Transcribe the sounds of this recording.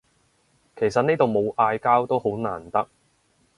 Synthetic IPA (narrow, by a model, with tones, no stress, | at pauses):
kʰe˨˩jsɐ˨t̚neː˥t̪o˨wmo˨˧wʔaː˧jkaː˥wt̪o˥wɦo˨˥wna̰ː˨˩nt̪ɐ˥k̚